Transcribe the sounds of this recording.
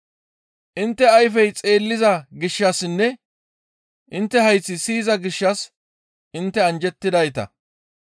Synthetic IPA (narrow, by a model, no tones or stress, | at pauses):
ʔɪnt̪ːɛɐjfɛjt͡sʼe̞ːlːɪzɐɡɪʃːɐsnːɛ | ʔɪnt̪ːɛhɐjt͡sːɪsiːzɐɡɪʃːɐs | ʔɪnt̪ːɛɐnd͡ʒɛt̪ːɪd̪ɐjt̪ɐ̰